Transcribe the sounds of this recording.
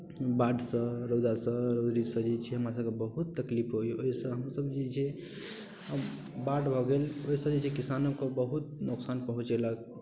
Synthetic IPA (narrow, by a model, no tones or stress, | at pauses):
baɖsə̃ɾod̪asə̃ɾod̪ɾisə̃d͡ʒet͡ʃʰiɦəmɾasəbkebəɦut̪ːəklipʰɦojoɦisə̃ɦəmsəbd͡ʒet͡ʃʰi | ə | baɖbʱɔɡeloɦisə̃d͡ʒet͡ʃʰikisanəbkobəɦut̪̚nuksanpəɦũt͡ʃelək̚